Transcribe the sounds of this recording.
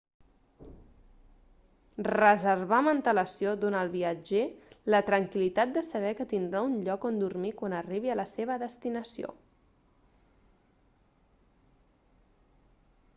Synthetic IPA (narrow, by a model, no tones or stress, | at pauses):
rəzərβamənt̪ələsiod̪onəːlˠβiəd͡ʒelət̪ɾəŋkilit̪at̪̚d̪əsəβ̞ɛkət̪ind̪ɾaunʎɔkond̪urmikwanəriβ̞iələseβ̞əðəst̪inəsio̰